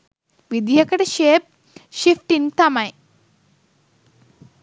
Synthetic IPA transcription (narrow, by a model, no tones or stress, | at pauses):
ʋid̪jɐkɐʈɐʃeːp̚ | ʃifʈint̪ɐmɐj